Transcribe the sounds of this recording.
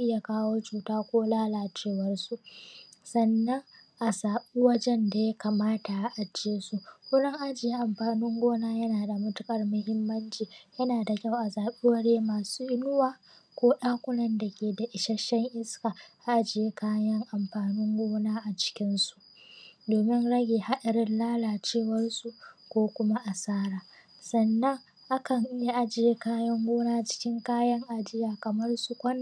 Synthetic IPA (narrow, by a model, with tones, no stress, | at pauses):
ʔɪ˦ja˨kaː˦woː˦t͡ʃuː˨taː˦kʷoː˦laː˦laː˨t͡ʃeː˦wɐ˦rsu˦ʔsɐ˨nːɐ˦ŋ | ʔa˨saː˨ɓe˦wɐ˦d͡ʒɛ˦nda˨ja˦ka˨maː˦ta˨a˨ʔa˨d͡ʒeː˦su˦kʊ˦lɛ˦ŋʔa˨d͡ʒɪ˨je˦ʔa˨mɸaː˨nɪ˦ŋɡʷoː˦naː˦jɐ˦naː˨da˨mʊ˦tʊ˦kʼɐ˨rmʊ˦hɪ˦mːɐ˦nt͡ʃiː˨jɐ˦naː˨da˨kʲa˦˨wʔa˨saː˨ɓe˦wɐ˦ɽeː˦maː˨suː˦ʔɪ˦nʊ˦waː˨ | kʷoː˦ɗaː˦kʷʊ˦lɐ˦nda˨kʲeː˨da˨ʔɪ˨ʃɐ˦ʃɛ˦ŋʔɪ˦skaː˨ʔa˨ʔa˦d͡ʒɪ˨je˦kʰaː˦jɐ˦ŋʔa˨mɸaː˨nɪ˦ŋɡʷoː˦naː˦ʔa˨t͡ʃɪ̥˦kʲɪ˦nsu̥˨ | doː˨mɪ˦nɽɐ˦ɡʲeː˨ha˦ɗɐ˨ɾɪ˦nlaː˦laː˨t͡ʃeː˦˨wɐ˦rsu˨kʷoː˦kʷʊ˦ma˦ʔa˨saː˦ɾaː˨ | sɐ˨nːɐ˦ŋ | ʔa˦kɐ˨ŋ˦je˦ʔa˦d͡ʒɪ˨je˦kaː˦jɐ˦ŋɡʷoː˦naː˦˨t͡ʃɪ̥˦kʲɪ˦ŋkaː˦jɐ˦ŋʔa˨d͡ʒɪ˦jaː˨kɐ˨mɐ˦rsu˨kʷɐ˦n˨